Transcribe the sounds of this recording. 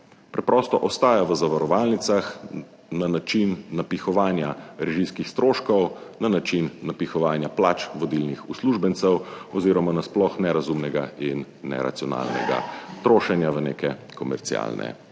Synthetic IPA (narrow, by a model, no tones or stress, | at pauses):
pɾɛpɾɔst̪ɔʔɔst̪aːjaʋəzaʋaɾɔʋalnit̪sax | nanat͡ʃinːapixɔʋaːnjaɾɛʒiskixst̪ɾoːʃkɔwnanat͡ʃinːapixɔʋaːnjaplaːt͡ʃʋɔd̪ilnixusluʒbənt̪sɛwɔziːɾɔmanasplɔxnɛɾazumnɛɡainː | ɛ̰ɾa̰t̪sijɔna̰lnɛ̰ɡa̰t̪ɾoːʃɛnjaʋənḛːkɛ | kɔmɛ̰ɾt̪sḭa̰lnʔɛ̰